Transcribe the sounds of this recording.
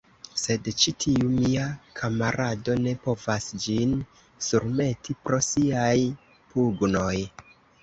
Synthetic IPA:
se̞dt͡ʃitʰiumiakʰamaɾʔado̞ne̞po̞vasd͡ʒin | suɾme̞tipɾo̞siaj | puɡno̞j

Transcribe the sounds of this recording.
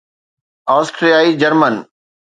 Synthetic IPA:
aːsʈɾijaːid͡ʑəɾmən

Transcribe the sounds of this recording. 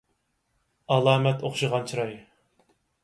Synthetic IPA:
ɑlˠɑːmɛt̪oχʃɨʁɑnt͡ʃʰiɾɑj

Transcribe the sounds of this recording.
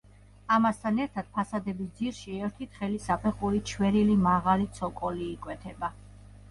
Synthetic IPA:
amast̪ʰanɛɾt̪ʰad̪̥̚pʰasad̪ɛbisd̪ziɾʃiɛɾt̪ʰit̪ʰχɛlisapʰɛχuɾit͡ʃʰwɛɾilimaʁalit̪sʰɔkʼɔliːkʼwɛt̪ʰɛba

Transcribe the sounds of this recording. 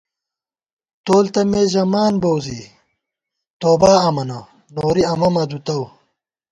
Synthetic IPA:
t̪oːlt̪ɐmeːʑɐmaːnbowzḭ | t̪oːbaːɐmɐnɐ | noːɾiɐmɐmɐd̪ut̪ɐw

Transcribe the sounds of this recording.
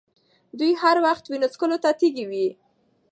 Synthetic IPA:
d̪ujhaɾwaxt̪winot͡skəlot̪at̪eɡiwi

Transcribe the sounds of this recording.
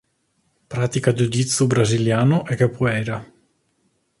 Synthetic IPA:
pɾaːt̪ikad͡ʒud̪it̪sːubɾaziljaːnʊʔɛkːepːɔɛːɾa

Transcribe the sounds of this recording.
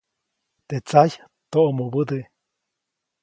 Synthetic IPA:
t̪et͡saj | t̪oʔomobɨd̪e

